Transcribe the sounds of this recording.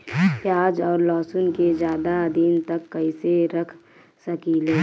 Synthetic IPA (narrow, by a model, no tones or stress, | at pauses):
pjaːd͡ʒɔːɾlɔːsʊnked͡ʒjaːd̪ad̪iːnt̪əkːəiseɾəkʰ | səkileː